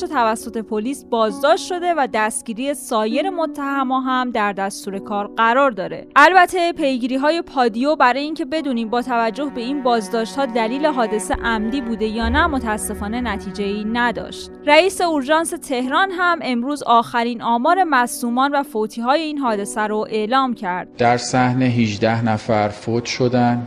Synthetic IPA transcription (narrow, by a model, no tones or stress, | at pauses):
ot̪ʰævæsːo̞t̪ʰe̞pʰoliːsbɒːzd̪ɒːʃt̪ʃo̞d̪e̞væd̪æst̪ɟ̥iːɾiːje̞sɒːje̞ɾe̞mot̪ʰːæhæmɒːɦæmd̪æɾd̪æst̪uːɾe̞kʰɒːɾɢæɾɒɾd̪ɒːɾe̞̰ʔælbæt̪ʰe̞pʰe̞jɡiːɾiːɦɒːje̞pʰɒːd̪ijobæɾɒːjeiŋcʰe̞be̞d̪uːniːmbɒːt̪ʰævæd͡ʒːo̞hbe̞iːnbɒːzd̪ɒːʃt̪hɒːd̪æliːle̞ɦɒːd̪e̞seʔæmd̪iːbuːd̪e̞jɒːnæmo̞t̪ʰææsːe̞fɒːne̞næt̪ʰiːd͡ʒe̞iːnæd̪ɒ̰ːʃt̪ræiːse̞oɾʒɒːnset̪ʰe̞hɾɒːnɦæmʔe̞mɾuːzɒːxæɾiːnɒːmɒːɾe̞mæsuːmɒːnvæfot̪ʰiːɦɒːje̞iːnɦɒːd̪e̞sæɾoʔe̞ʔlɒːmcʰæɾd̪̥̚d̪̥æɾsæhneɦid͡ʒd̪æhnæfæɾfott̪ʰʃod̪æn